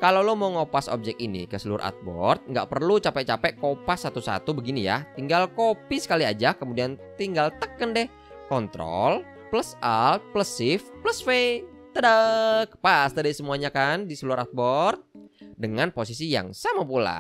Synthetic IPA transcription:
kalolomaŋopaso̰p̚d͡ʒɛk̚inḭkəsəluaɾʔa̰t̪̚bɔ̰rt̪̚ŋɡa̰ʔpərlut͡ʃapɛʔ̚t͡ʃapɛʔkopasːat̪usa̰t̪ubəɡinija̰t̪iŋɡalkopisə̥kaliad͡ʒakəmudiant̪iŋɡalt̪əkəndɛh | kɔnt̪ɾɔ̰l | pləsal̚pləsɪfpləsfe | t̪ədək̚pasd̪adasəmuaɲakandisəluaɾʔat̪̚bɔrt̪̚dəŋanpos̬isija̰ŋsamapula̰

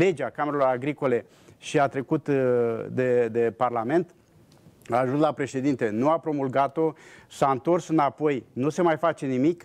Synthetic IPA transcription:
le̞d͡ʒakameɾelo̞ɾaɡɾiko̞le̞ | ʃiat̪ɾe̞kut̪d̪e̞d̪e̞parlame̞nt̪ | aːʒunslapɾe̞ʃe̞d̪int̪e̞nuapɾo̞mulɡat̪o̞saɨnt̪o̞rsɨnapo̞jnuse̞majfat͡ʃe̞nimik

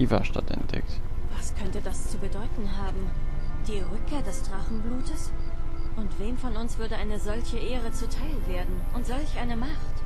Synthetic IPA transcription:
ʔiːvɐ̰ʃta̰dɛ̰ntɛ̰k̚t | vaskʰœntədast͡subədɔʏtn̩ɦaːbm̩ | d̥iːʁʏkʰːeːɐdɛsd̥ʁaχn̩bluːtəsʔʊntv̥eːmfɔnʊnsv̥ʏɐdəʔaɪnəzɔlçəʔeːʁət͡sutʰaɪlveːɐdn̩ʔʊntz̥ɔlçʔaɪnəmaχt

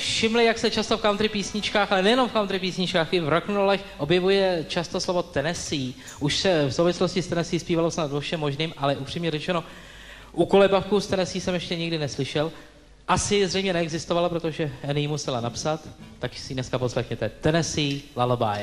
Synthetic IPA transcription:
fʃɪmlɪjaksɛt͡ʃast̪o̞fkawnt̪rɪpiːsɲɪt͡ʃkaːxalɛnɛjɛno̞mfkawnt̪ɾɪpiːsɲɪt͡ʃkaːxɡɪvɾoknuɾolɛxʔo̞bjɛvujɛt͡ʃast̪oslo̞vo̞t̪ɛnɛsiː | ʔuʃsɛfsowvɪsloscɪst̪ɛnɛsɪjːspiːvalo̞snad̪vofʃɛmːoʒniːmʔalɛʔupr̝̥iːmɲɛɾɛt͡ʃɛno̞ | ʔuko̞lɛbafkust̪ɛnɛsiːsɛmjɛʃcɛɲɪɡdɪnɛslɪʃɛl | ʔasɪzrɛjmɲɛnɛɛɡzɪst̪ovalapɾo̞t̪oʒɛɛnɪjimusɛlanapsat̪ːaksɪnɛskaposlɛxɲɛt̪ɛt̪ɛnɛsɪlaloba̰j

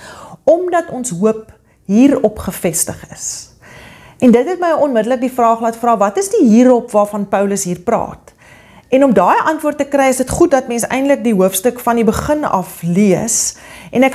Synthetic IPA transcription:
ɔmdɐtɔnsɦuəp̚ | ɦiːɾɔpχəfɛstəχə̰s | ɛndətɦɛtməjɔnmədələk̚difrɑːχlɑːtfrɑːvɐtəsdiɦiːɾɔpvɑːfɐnpœwləsɦiːrprɑ̰ːt | ɛnɔmdɑːjʔɐntvuərtːəkrɛjəsdətχut̚dɐtmɛnsɛ̰jndlək̚diɦuəfstəkfɐndibəχənɐ̰fliəsʔɛnæk

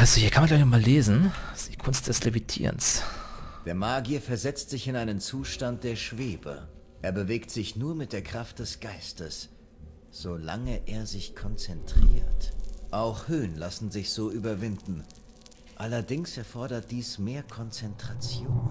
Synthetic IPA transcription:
ʔasohiːɐkʰanmanɡlaɪçnɔχmaːleːzn̩d̥iːkʰʊnst̚d̥ɛslevitʰḭːʁə̰ns | d̥eːɐmaːɡiɐfɛɐzɛt͡stz̥ɪçɪnaɪnənt͡suːʃtant̚d̥eːɐʃv̥eːbə̰ | ʔeːɐbəveːktz̥ɪçnuːɐmɪt̚d̥eːɐkʁ̥aft̚d̥ɛsɡ̥aɪstəs | z̥ola̰ŋəʔeːɐzɪçkʰɔnt͡sɛntʁ̥ḭːɐtʔaʊxhøːnlasn̩zɪçz̥oːʔyːbɐvɪndn̩ | ʔalɐdɪŋsɛɐfɔɐdɐt̚d̥iːsmeːɐkʰɔnt͡sɛntʁ̥at͡sjoːn

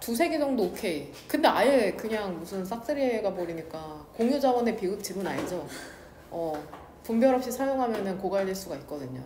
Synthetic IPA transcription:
tusʰe̞ɡed͡ʑʌŋdookʰe̞i | kɯnde̞ajɯkɯɲaŋmusʰɯns͈ʰak̚s͈ɯɾieɡaboɾiɲik͈akoŋjud͡ʑawʌne̞piɡɯp̚t͡ɕ͈ibɯna̰ɲid͡ʑo | ʌ | pumbjʌɾɦʌp̚ɕ͈isʰajoŋɦamjʌnɯnkoɡaɭdiɭs͈uɡait̚k͈ʌdɯɲo

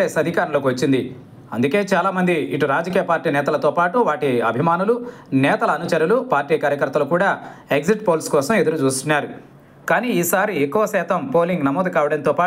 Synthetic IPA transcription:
eːsɐd̪ʱikaːɾɐloːkiʋɐt͡ʃːind̪i | ɐnd̪uke̞ːt͡ʃaːlaːmɐnd̪iiʈuɾaːd͡ʒɐkiːjɐpaːɾʈiːnɛːt̪ɐlɐt̪oːpaːʈuʋaːʈiɐbʱimaːnulunɛːt̪ɐlɐːnut͡ʃɐɾjulupaːɾʈiːkaːɾjɐkɐɾt̪ːɐlukuːɽaːekd͡ʒiʈpo̞ːlskɔːsɐmed̪uɾut͡ʃuːst̪unːaːɾu | kaːniːiːsaːɾiekːuʋɐsɛːt̪ɐmpo̞ːliŋɡnɐmɔːd̪ukaːʋɐɽɐnt̪ɔːpaː

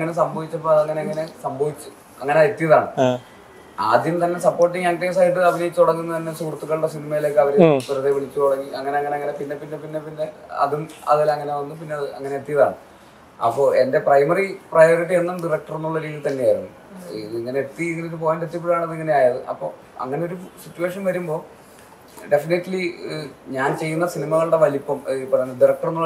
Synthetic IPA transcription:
ŋːɐne̞s̬ɐmbɐʋit͡ɕːɐpːoɐðɐŋːɐne̞ɐŋːɐne̞sɐmbʱɐʋit͡ɕːu | ɐ̰ŋːɐneet̪ːijɐðaːɳɨ | a̰ːd̪jɐmt̪ɐnːe̞sɐpːoːrʈ̬ːiŋɐŋkːeːs̬aːjiʈ̬ːɨɐbinɐit͡ɕ̪ːuɽɐŋːunːɐt̪ɐnːe̞suːrt̪ːuɣːɐɭuɽesinimɐjile̞ːkːɨɐʋɐɾut̪uɾɐðeʋiɭit͡ɕːut̪oɽɐŋːiɐŋːɐne̞ɐŋːɐneɐŋːɐne̞pinːe̞pinːe̞pinːepinːe̞ɐ̰ðumɐ̰ðilɐŋːɐne̞ʋɐnːupinːeɐðɨɐ̰ŋːɐne̞et̪ːijɐða̰ːɳɨ | ɐ̰pːoːe̞nde̞prɐjmɐriprɐjo̞ːriʈːienːamɖirɐk̚ʈɐrunːuɭːɐɾiːðit̪ɐnːejaːjiɾunːu | iðiŋːɐneet̪ːiiŋːɐnek̬ːɨpoːjaːnɖet̪ːip̬ːuɽaːɳɐðiŋːɐneaːjɐðɨʔɐ̰pːo̞̰ː | ɐ̰ŋːɐne̞o̞ɾusitːuʋe̞ːʂɐnʋɐɾumbo̞ː | ɖe̞finiʈːliɲaːnt͡ɕe̞jːunːɐsinimɐɣɐɭuɽeʋɐlipːɐmipːɐɖirɐk̚ʈɐrunːuɭː

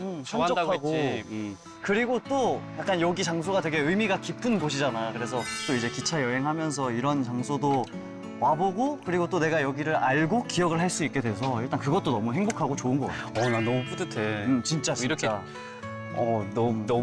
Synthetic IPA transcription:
ɯɕʰʌd͡ʑʌaɡo | kɯɾiɡot͈ojak͈anjʌɡit͡ɕaŋs̬ʰoɡatweɡe̞ɯjmiɡakipʰɯnɡoɕ̬ʰid͡ʑanakɯɾe̞s̬ʰʌt͈oid͡ʑe̞kit͡ɕʰajʌɦe̞ŋɦamjʌns̬ʰʌiɾʌnt͡ɕaŋsʰodo | waboɡokɯɾiɡot͈one̞ɡajʌɡiɾɯɾaɭɡokijʌɡɯɭɦaɭs͈uik͈̚e̞dwe̞sʰʌiɭt͈ankɯɡʌt͈onʌmuɦeŋbokʰaɡot͡ɕoɯnɡʌka̰nanʌmupudetʰet͡ɕint͡ɕ͈at͡ɕt͡ɕa | ʌn

